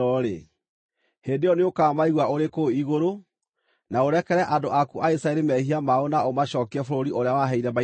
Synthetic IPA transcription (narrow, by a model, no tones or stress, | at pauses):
ɔɾḛ | hendejɔneokamaiɣwaoɾekoiɣoɾo | naoɾɛkɛɾɛʔandoʔakuʔaisaɛɾemɛhiamaonaomaɕɔːkeɛfoɾoɾioɾeawaɦɛiɾɛma